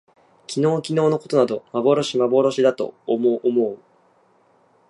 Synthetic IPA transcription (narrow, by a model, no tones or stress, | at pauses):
kʲino̞ːkʲino̞ːno̞ko̞t̪o̞nad̪o̞mabo̞ɾo̞ɕimabo̞ɾo̞ɕid̪at̪o̞̰moʔːmoː